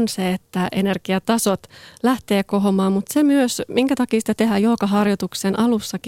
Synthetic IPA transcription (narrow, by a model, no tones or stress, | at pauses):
nseet̪ːæʔenerkiɑt̪ɑsot̪læht̪e̞ːkoɦomɑːmut̪semyøsmiŋkæt̪ɑkiːsi̥t̪ːæt̪eɦæjolkɑɦɑrjot̪uksenʔɑlusːɑki